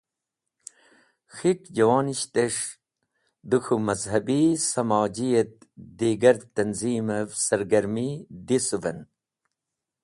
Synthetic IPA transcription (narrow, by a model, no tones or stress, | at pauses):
xiʈd͡ʑɐwaːniɕt̪eʂ | d̪uxʰumɐzɦɐbisɐmɑːd͡ʑijɐt̪̚d̪iːɡɐɾt̪ɐnziːmɐvsɐɾɡɐɾmid̪isuvɐ̰n